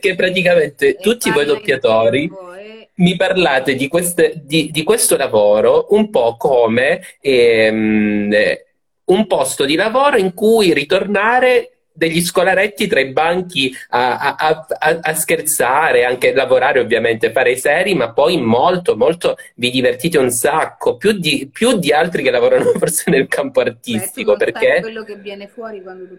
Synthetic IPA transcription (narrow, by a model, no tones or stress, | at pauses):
k̟epːɾat̪ikament̪et̪ut̪ːivɔjd̪opːjat̪oːɾi | miparlaːt̪ed̪ikwest̪ed̪id̪ikwest̪olavoːɾoʔumpɔkːoːmeɛm | umpɔst̪od̪ilavoːɾoiŋkujrit̪ornaːɾe | d̪eʎːis̬kolaɾet̪ːit̪ɾaibaŋk̟iaaaaaskert̪saːɾeaŋk̟elavoɾaːɾeovːjament̪efaːɾesɛːɾjimapːɔjmolt̪omolt̪ovid̪ivert̪iːt̪eunsakʰːopjud̪ipjud̪ːialt̪ɾikelːavoːɾanoforsenelkampoart̪ist̪ikoperkːejːni